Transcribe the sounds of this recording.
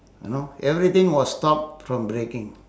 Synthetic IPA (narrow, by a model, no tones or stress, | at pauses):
jṵnoɛvɹit̪ɪ̃ŋwɔstɔp̚fɹɔ̃mbɹekɪ̃ŋ